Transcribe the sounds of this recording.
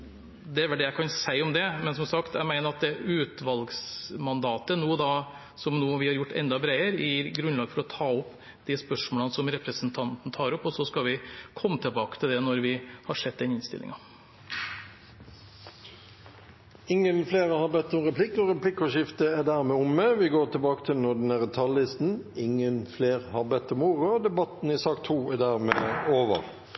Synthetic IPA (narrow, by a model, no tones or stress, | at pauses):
d̪ɛæɾʋɛld̪ɛːjæɪkʰɑnsæɪɔmd̪ɛmɛnsɔmsɑkt̪jæɪmæɪnəɾɑt̪̚d̪ɛʉːt̪ʋɑlɡsmɑnd̪ɑːt̪ənuːd̪ɑ | sɔmnuːʋɪhɑɾjʊʈːɛ̰nd̪ɑbɾeɪəɾɪɾɡɾʉnlɑːɡfɔɾɔt̪ʰɑːɔpː | d̪̥ispœʂmoːlənsɔmɾɛpɾəsənt̪ʰɑnt̪n̩t̪ʰɑːɾɔpːɔsɔskɑʋɪkʰɔmːət̪ʰɪlbɑːkə̥t̪ʰɪld̪ɛnɔɾʋɪhɑʂɛd̪̚d̪ɛnɪnst̪ɪ̰lʔɪ̰ŋɑ | ɪŋːənfleːʁəhɑbɛt̪ːɔmʁɛpʰlɪkːɔɾɛpʰlɪkːɔʃɪft̪əɛd̪æːʁmeːʊmːeːʋɪɡoːʁt̪ʰɪlbɑːkə̥t̪ʰɪlnɔd̪ɛnæʁət̪ʰɑlːɪst̪n̩ɪŋənfleːʁhɑbɛt̪ːɔmuːʁʊd̪ɛbɑt̪nɪsɑːkt̪ʰuːæd̪æːʁmeːoːʋə̰ʁ